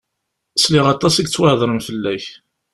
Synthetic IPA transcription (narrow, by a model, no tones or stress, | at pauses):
slɪʁɑt̪ˤːɑsiɡt͡sːwəʕðˤɾˤəmfəlːæç